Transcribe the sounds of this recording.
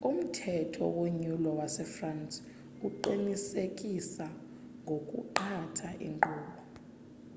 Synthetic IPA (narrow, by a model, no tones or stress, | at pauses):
um̩tʰɛtʰɔ̰woɲulɔwasɛfrant͡sʼ | uǃinisekʼisa | ŋɡʱokʼṵǃatʰaʔḭŋǃɔːɓɔ